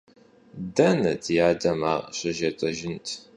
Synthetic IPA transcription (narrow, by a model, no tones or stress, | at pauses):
dɐnɐ̰tʰjaːdɐma̰ːrɕɐʒɐtʼɐʒɪntʰ